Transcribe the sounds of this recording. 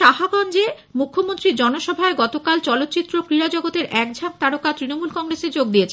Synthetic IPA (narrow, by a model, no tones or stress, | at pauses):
aɦabɔnd͡ʑe | mukʰːomont̪ɾid͡ʑɔnoʃɔbʱaeɡɔt̪okalt͡ɕɔlot̪ːt͡ɕit̪ːɾokɾiɾad͡ʑɔɡot̪eɾʔɛkd͡ʑʱam̚t̪aɽokat̪ɾinomulkɔŋɾeseɾd͡ʑoɡ̚d̪iet͡ɕʰe